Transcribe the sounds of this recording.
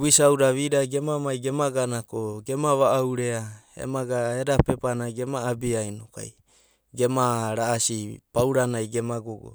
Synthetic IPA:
wisawɾaβiɾaɡe̞mamajɡe̞maɡanakoɡe̞maβaʔawɾeaḛmaɡaeɾapepanajɡe̞maːbiajnoka̰j | ɡe̞maɾaːsipawɾanajɡe̞maɡoɡo̰

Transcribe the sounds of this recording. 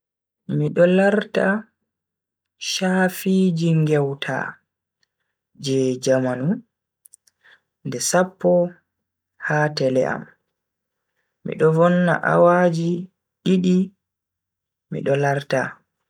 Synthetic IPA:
miɗɔlaɾta | ʃaːfiːd͡ʒiŋɡɛwtʰa̰ | d͡ʒɛd͡ʒamanu | ndɛsapːɔ | haːtɛlɛ̰ʔa̰m | mḭɗɔvɔnːa̰ʔa̰waːd͡ʒi | ɗiɗi | mḭɗɔlaɾta̰

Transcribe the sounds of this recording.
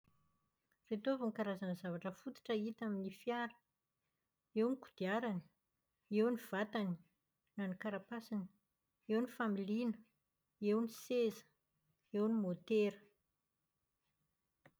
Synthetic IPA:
ret̪ovaŋkaɾazanəzavaʈ͡ʂəfut̪i̥ʈ͡ʂəit̪aminifjaɾə̥ | ewniku̥d̪̥iaɾani̥ | ewniv̥at̪ani̥ | nanikaɾapasini | ewnifamilinə | ewnisezə̥ | ewnimot̪eɾə

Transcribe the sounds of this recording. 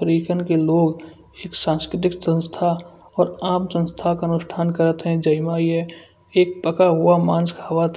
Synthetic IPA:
ɾikənkeloːɡ | eːksãːnskɾɪt̪̬ɪksə̃nst̪ʰa | ɔːɾaːmsə̃nst̪ʰakaənʊsʈʰaːnkəɾət̪ɦɛ̃d͡ʒəimaiɛ | eːk̚pəkaɦʊamaːnskʰɐʋat̪

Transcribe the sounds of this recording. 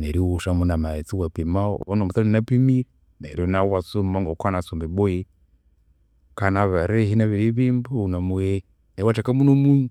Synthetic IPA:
nɛɾiwuʃamunamaɛt͡siwapima̰ɔnɔmutalɛnapimiɾi | na̰ɾɔnawasummaŋɡɔkwanasɔmbɛbɔɛ | kanaβaɾɛɦinaβiɾiβimbuunamuɛ | nawat͡ʃakamunɔmuɲu

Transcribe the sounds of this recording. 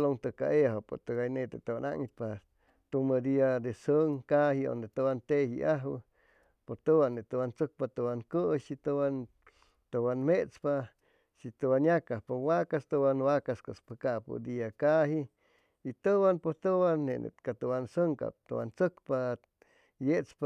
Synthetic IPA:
loŋt̪əka̰ʔeɦopo̰t̪əɡajnet̪et̪owana̰ʔŋit̪̚pa | t̪uməd̪iad̪esəŋkahio̰nd̪et̪uwant̪ehḭʔaɦwə̰ | pot̪əwaneʔt̪uwant͡sək̚pat̪uwaŋkəʃit̪əwan | t̪owanmet͡spa | ʃit̪uwanjakapowakast̪uwanwakaskospəkapṵd̪iakaɦi | it̪əwanpot̪uwanːenḛkat̪uwansəŋka̰p̚t̪uwant͡səkpa | jeʔt͡spa

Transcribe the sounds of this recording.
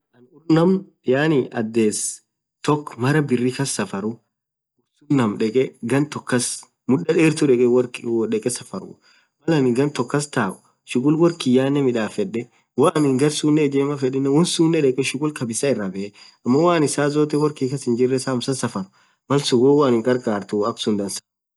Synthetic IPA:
ʔɐnʊɾnɐm | jaːnɪɐd̪ːeːs | t̪ɔkːmɐɾɐbɪrːikɐsːɐfɐɾʊ | ʊɾsunɐmᶑɛkʼɛɡɐnt̪ɔkːɐs | mʊᶑːɐᶑeːɾt̪ʊᶑɛkʼɛwɐkᶑɛkʼɛsɐfɐɾʊ̰ | mɐlɐnɪɡɐnt̪ɔkːɐst̪aːʔʊ̥ | ʃʊkʼʊlwɔɾkɪjaːnːɛmɪᶑaːfɛᶑɛ | waːnɪŋɡɐɾsuːnːɛd͡ʒeːmɐfɛᶑɪnːɛwɔnsuːnːɛᶑɛkʼɛʃʊkʼʊlkɐbɪsɐɪrːɐbɛʔɛ | ɐmːɐwaːnɪsaːzoːt̪̬ɛwɔɾkiːkɐsɪnd͡ʒɪrːɛsaːmsɐsɐfɐnʊ̥ | mɐlsʊɡoːwaːnɪŋkʼɐɾkʼaːɾt̪ʊɐksʊnd̪ɐnsɐ̥

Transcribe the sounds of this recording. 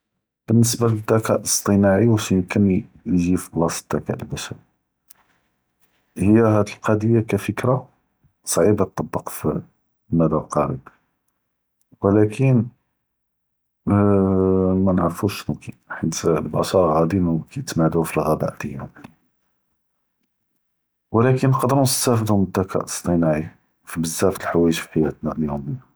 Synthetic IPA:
b̥ənːəsbæləd̪ækæʔəst̪ˤənaʕiwæʃjəmkən | ʒiflɑsˤəd̪̥ːækæ̰ʔlbæʃəɾ | həjːæɦæd̪əlqɑd̪əjːakæfəkɾa | sˤʕibɑt̪ˤːɑbːəqfi | mæd̪ælqɑɾə̰b | wəlækʰən | mænʕəɾfuʃnuki | ħit̪lbɑ̰sɑɾˤɣæd̪inkæjət̪mæʕd̪ufilɣæbæ̰ʔd̪̥əjæ̰m | wəlækənːəqd̪əɾunəst̪æfəd̪ʊmt̪ːækʰæ̰ʔəst̪ˤinʕi | fibəzːæft̪əlħawæjəʒfi̥ħajæt̪næljumij

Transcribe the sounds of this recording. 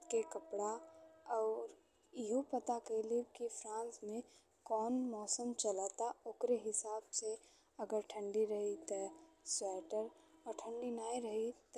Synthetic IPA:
kekəpɽaɔʊɾ | iɦupət̪akəɪlikipʰɾãnsme | kɔːnmɔsəmt͡ʃələt̪aoːkɾeɦisabse | əɡəɾʈʰəɳɖiɾəɦit̪əswɛʈəɾɔʈʰə̃ɳɖinaiɾəɦit̪

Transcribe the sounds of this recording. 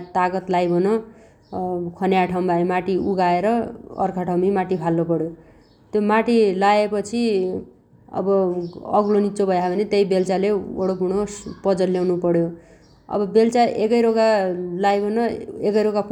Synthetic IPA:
t̪aɡʌt̪lajbʱʌnʌ | kʰʌneaʈʰaw̃baemaʈiuɡaeɾʌʌ̰rkʰaʈʰawmimaʈipʰalːopʌɽjo | t̪jomaʈilaepʌt͡sʰi | ʌ̰bʌʌɡlonit͡sobʱʌjabʱʌnet̪ejbelt͡saleoɽopuɽ̃opʌd͡zʌljawnupʌɽjo | ʌ̰bʌbelt͡saʔekʌjɾokalajbʱʌnʌekʌjɾoɡak

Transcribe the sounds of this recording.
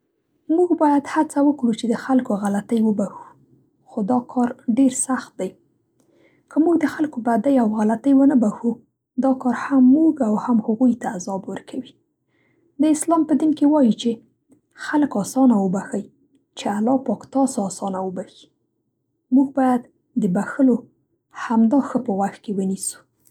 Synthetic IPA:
muɡbɑjad̪hat͡sawəkɽut͡ʃed̪əxalkoɣalat̪əjwəbaxu̥ | xod̪ɑkʰɑɾɖeɾsaxt̪̚d̪aj | kəmuɡd̪əxalkobad̪ajawɣalat̪əjwənəbaxu | d̪ɑkɑɾhamːuɡawhamhʊɣujt̪aːzɑbwəɾkʰawi | d̪əɪslɑmpəd̪inkewɑjit͡ʃe | xaləkɑsɑnawəbaxəj | t͡ʃealɑpɑkt̪ɑsɑsɑnawəbaxi̥ | muɡ̚bɑjad̪ | d̪əbaxəlo | hamd̪ɑxəpəwaxt̪̚kewənisu̥

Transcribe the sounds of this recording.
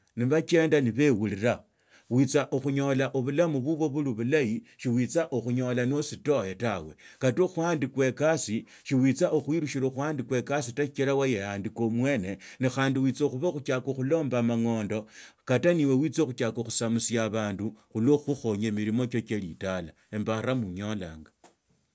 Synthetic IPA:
niβat͡ʃe̞ːndaniβe̞wuliɾa | wit͡saʔoxuɲo̞laʔoβulamuβuβo̞βuluβulajiʃiwit͡saʔoxuɲo̞lanosito̞jetawe̞katoxwaːndikwe̞kasi | ʃiwit͡saʔoxwiɾuʃiɾoxwaːndikwe̞kasitaʃit͡ʃelawajejandikomwe̞ːne̞nixaːndiwit͡soxuβaxut͡ʃakoxulo̞ːmbamaŋo̞ːndo̞kataniwe̞wit͡soxut͡ʃakoxu̥samusjaβaːnduxuloxuxo̞ɲemiɾimo̞t͡ʃot͡ʃelitala | embaɾamuɲo̞la̰ːŋɡa

